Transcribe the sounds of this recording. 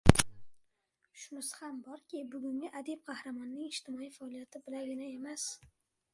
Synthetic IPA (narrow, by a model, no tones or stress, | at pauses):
ʃʊmɪshambɒɾkʲɪbʊɡʲʊŋɡʲɪʔad̪ib̚qʰɑhɾamɒnːɪŋɪʃt̪ʰɪmɒijfaːlˠijat̪ʰɪbɪlaɡʲɪnae̞mas